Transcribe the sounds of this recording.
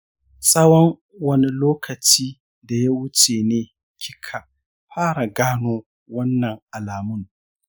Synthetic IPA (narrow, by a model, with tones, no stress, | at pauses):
sʼɐ˦wɔ˦ŋ | wɐ˦ni˦loː˦kʰɐ˨t͡ʃiː˦ | da˨ja˦wʊ˦t͡ʃeː˨neː˦ | kʲʰɪ˦kʰa˨ | ɸaː˦ɽa˨ɡaː˦noː˦ | wɐ˦nːɐ˨ŋʔa˨laː˨mʊ˦ŋ